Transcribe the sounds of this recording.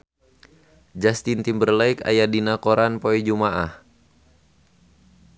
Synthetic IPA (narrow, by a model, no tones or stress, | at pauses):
d͡ʒast̪int̪imbərlaika̰jadinakɔɾanpoid͡ʒumaʔah